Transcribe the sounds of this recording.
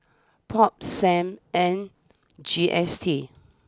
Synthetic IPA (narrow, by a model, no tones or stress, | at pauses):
pʰɔp̚sɛ̃mɛ̃n | d͡ʒiʔɛstʰi